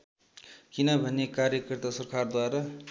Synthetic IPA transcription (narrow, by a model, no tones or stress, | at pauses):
kinʌbʱʌnːekaɾjʌkʌrt̪asʌrkʰard̪waɾʌ